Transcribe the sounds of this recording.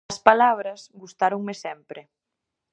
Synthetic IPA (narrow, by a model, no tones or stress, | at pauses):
ɐspalaβ̞ɾɐzɡust̪aɾoŋmesɛmpɾe